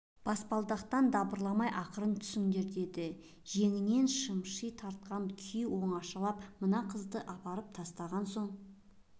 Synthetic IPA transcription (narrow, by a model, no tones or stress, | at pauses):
b̥ɑspɑlˠd̪ɑqt̪ɑnd̪ɑbəɾlˠɑmɑjʔɑqəɾənt̪ʰʏ̥sɪŋd̪e̞ɾd̪e̞d̪ɪ | ʒe̞ŋɪne̞nʃəmʃijt̪ʰɑɾt̪̚qɑnkʲʰijwo̞ɴɑʃɑlˠɑpmənɑqʰəzd̪əʔɑpɑɾəp̚t̪ʰɑst̪ɑʁɑnso̞ɴ